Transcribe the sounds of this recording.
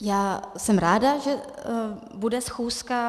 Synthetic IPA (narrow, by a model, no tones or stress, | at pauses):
jaːsɛmɾaːdaʒɛ | budɛsxuːska